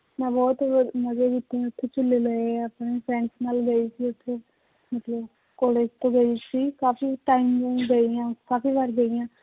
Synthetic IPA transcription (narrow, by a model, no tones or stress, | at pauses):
mɛ̃ːbɔːt̪məd͡ʒeːɡit̪ẽːʊt̪ʰːeːt͡ʃʊlːeːləeəpneːpʰɾɛ̃ːnsnaːlɡəiːsiːʊt̪ʰːe | mət̪ləb | koːɽeːd͡ʒt̪õːɡəisiːkaːfiːʈaːimɡəijãːkaːfiːʋəɾɡəijãː